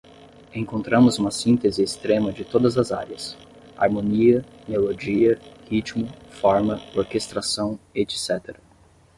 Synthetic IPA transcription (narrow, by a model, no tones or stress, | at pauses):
ẽŋkõnt̪ɾɐ̃mʊzũmɐsĩnt̪ezɪːst̪ɾẽmɐd͡ʒɪt̪od̪ɐzɐzaɾjɐs | a̰ɾmõniɐ | melod͡ʒiɐhit͡ʃmʊfɔɾmɐoɾkest̪ɾasɐ̃w̃ed͡ʒɪ̥sɛt̪eɾɐ